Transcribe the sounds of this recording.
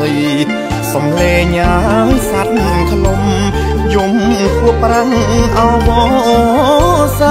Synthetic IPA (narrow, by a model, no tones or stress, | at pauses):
əj | sɑmleːɲaːsat̪̚ | kʰlum | jumkuəpːraʔaɔʋɔ | ʔɔːsa